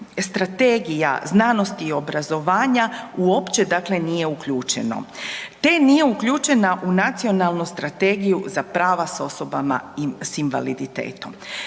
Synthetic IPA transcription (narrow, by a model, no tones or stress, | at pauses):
st̪ɾat̪e̞ɡija̰znaːno̞st̪iːo̞bɾazo̞ʋaːɲauo̞pt͡ʃe̞d̪akle̞nije̞ukʎuːt͡ʃe̞̰no̞̰t̪e̞nije̞ukʎuːt͡ʃe̞naʔunat̪sio̞nalˠnust̪ɾat̪eɡijuzapɾaːʋaso̞so̞bama̰sinʋa̰lid̪it̪e̞̰ːt̪o̞m